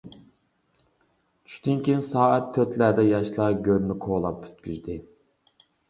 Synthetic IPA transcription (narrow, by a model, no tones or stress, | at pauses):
t͡ʃʰy̥ʃt̪ynkʲinsɑːɛt̪̚t̪ʰːøt̪læɾd̪ɛjɑʃlˠɑɡʲøɾmɪkʰoːlˠɑpːy̥t̪kʲyzd̪ɪ